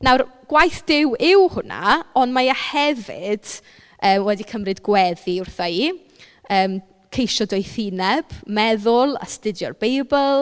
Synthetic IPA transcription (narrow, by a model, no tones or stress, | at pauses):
nawrɡ̥wajθd̥ɪwɪwhʊna̰ɔnmajahɛvɪ̰d̥ | əːmwɛdikʰəmrɨdɡwɛðiʊrθaiː | əːm | kʰejʃɔdɔjθinɛb̥mɛðʊlˠa̰stɪdjɔrbejbəlˠ